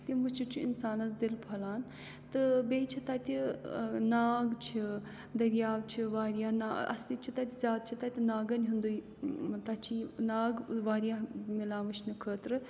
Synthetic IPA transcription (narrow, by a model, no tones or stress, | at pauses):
t̪iʋɨt͡ʃʰut͡ʃʰuinsaːnɐzd̪ilpʰɐlaːn | t̪ɨbeːjt͡ʃʰit̪ɐt̪ʲinaːɡt͡ʃʰi | d̪ɐɾjaːʋt͡ʃʰiʋaːɾijaːnaɐ̰slit͡ʃʰit̪ɐt̪ʲizʲjaːd̪̚t͡ʃʰit̪ɐt̪ʲinaːɡɐnʲɦund̪uj | t̪ɐt͡ʃʰinaːɡʋaːɾijamilaːʋɨt͡ʃʰnɨkʰəːt̪ɾɨ